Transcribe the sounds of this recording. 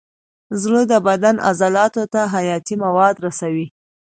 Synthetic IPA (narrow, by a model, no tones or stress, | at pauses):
zɭod̪əbad̪anʔa̰zɑlɑt̪ot̪aɦajɑt̪imawɑd̪ɾasawi